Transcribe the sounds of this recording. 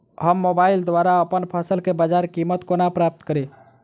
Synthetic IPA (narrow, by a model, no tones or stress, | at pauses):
ɦəmːobaild̪ʋaɾaəpənpʰəsəlkebəd͡ʒaɾkimət̪konapɾap̚t̪kəɾi